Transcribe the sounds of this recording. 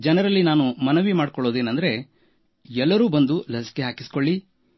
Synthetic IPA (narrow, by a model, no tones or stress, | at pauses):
d͡ʒɛnɐɾɐlːinaːnumɐnɐʋimaːɖkɔɭoːd̪eːnɐnd̪ɐɾe̞ | ɛlːɐɾuːbɐnd̪ulɐsi̥keɦaːkiskoɭːi